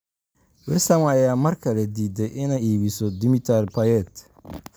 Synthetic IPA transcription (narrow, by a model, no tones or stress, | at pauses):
wɪrsɐmɐjaːmɐrkʰɐlɛd̪iːd̪ɛjʔɪnɛjiːβisɔd̪ɪmit̪ʰɛrpʰɐjɛt̪